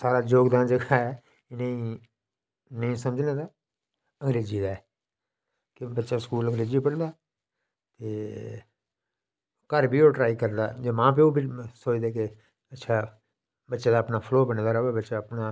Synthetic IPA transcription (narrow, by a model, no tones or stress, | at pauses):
saːɾaːd͡ʒoːɡd̪ãːnd͡ʒəɡaːɛː | nəĩː | nəĩːsəməd͡ʒnẽːd̪aː | ə̃ŋɡɾeːziːd̪aːɛː | kɪbətːʃaːskuːlə̃ŋɡɾeːziːpəɽd̪aː | t̪eː | kəɾbʱiːoːʈɾaːikəɾd̪a̰ːd͡ʒeːmãːpeoːbisoːd͡ʒd̪eːke | ətːʃʰaː | bətːʃãːd̪aːəpnaːpʰloːbəɽd̪aːɾoːebətːʃaːəpnaː